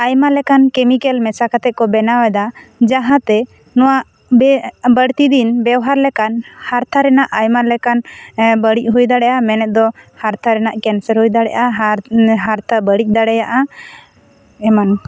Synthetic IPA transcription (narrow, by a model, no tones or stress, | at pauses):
ajmalɛkankɛmikɛlmɛsakat̪ɛʔ̚kɔbɛnawɛd̪ad͡ʒaɦãt̪ɛ | nɔwaʔ | bɛbəɽt̪id̪inbɛwɦaɾlɛkanhaɾt̪ʰaɾɛnaʔajmalɛkanbəɽic̚ˀɦujd̪aɽɛʔamɛnɛt̪̚d̪ɔhaɾt̪ʰaɾɛnaʔkɛnsəɾhujd̪aɽɛʔaɦaɦaɾt̪ʰabəɽic̚ˀd̪aɽɛjaʔa | ɛman